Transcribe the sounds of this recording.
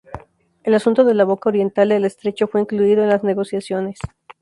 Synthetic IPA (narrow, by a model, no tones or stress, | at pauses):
e̞lasunt̪oðe̞laβo̞kao̞ɾje̞nt̪ald̪ele̞st̪ɾe̞t͡ʃo̞fwe̞iŋkluiðoenlazne̞ɣo̞sjasjo̞ne̞s